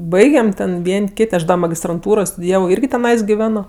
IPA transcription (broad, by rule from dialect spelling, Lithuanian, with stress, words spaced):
ˈbɐɪɡʲɛm tʲɛn ˈʋʲiɛnʲ ˈkʲɪtʲ ˈɐʃ dɐ mɐɡʲɪstrɐnˈtuːroːj stʊdʲɪˈjæːʋoː ˈɪrʲɡʲɪ tʲɛˈnɐɪs ɡʲɪˈʋʲæːnoː